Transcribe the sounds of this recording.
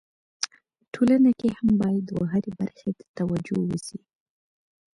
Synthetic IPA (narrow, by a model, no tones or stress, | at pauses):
ʈʰolanakehambɑjad̪waɦaɾebaɾxed̪ə̥t̪awad͡ʒowəsi